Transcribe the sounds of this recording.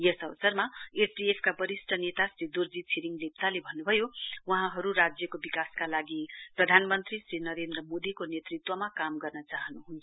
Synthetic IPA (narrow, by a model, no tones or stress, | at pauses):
jʌsʌβʌsʌrmaesɖiepʰkabʌɾisʈʰʌnet̪asrid̪urd͡zit͡sʰiɾiŋɡlep̚t̪alebʱʌnːubʱʌjowʌɦãɦʌɾuɾad͡zjʌkobikaskalaɡiprʌd̪ʱanmʌnt̪risrinʌɾend̪rʌmod̪ikonet̪rit̪wʌmakamɡʌrnʌt͡saɦʌnuɦunt͡sʰ